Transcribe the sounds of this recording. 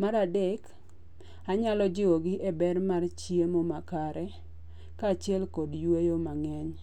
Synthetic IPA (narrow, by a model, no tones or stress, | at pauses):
maɾadek | aɲalɔd͡ʒɪɔɡɪʔebɛrmart͡ʃjemɔmakaɾɛ | kat͡ʃɪɛlkɔdjwejomaŋɛɲ